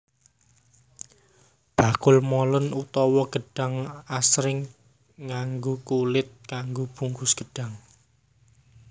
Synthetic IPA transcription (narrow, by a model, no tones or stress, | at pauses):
b̥a̤kʊlmɔlənut̪ɔwɔɡ̥ə̤ɖ̥a̤ŋasɾɪŋː | aŋɡokulɪt̪̚kaŋɡob̥uŋkʊsɡ̥əɖ̥a̤ŋ